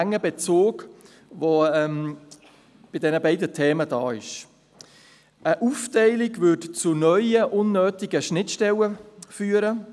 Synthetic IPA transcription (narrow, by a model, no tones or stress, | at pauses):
ŋːəbet͡soːɡ | voɛm | b̥ɪdɛnəbɛɪdətʰeːmədɑːɪʃ | əʔuftɛɪlɪɡvʏtt͡sʊnœʏəʔʊnːøːtɪɡəʃnɪtʃtɛləfyːəɾə